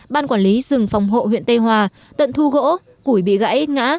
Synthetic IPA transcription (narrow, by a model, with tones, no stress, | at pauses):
ɓaː˧nkwaː˧˩nli˨˦zɨ˨˩ŋfa˨wŋ͡mɦo̰˧˨hwḭ˧˨ənt̪e˧jɦwaː˨˩ | t̪ə̰˧˨nt̪ʰu˧ɣo̰˧˥ | ku˧˩jɓḭ˧˨ɣa̰ː˧˥jʔŋa̰ː˧˥